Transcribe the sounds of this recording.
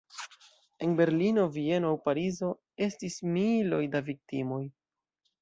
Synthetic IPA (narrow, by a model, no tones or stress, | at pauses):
e̞nbe̞ɾlino̞vie̞noawpaɾizo̞ | e̞stismilo̞jdavik̚timo̞j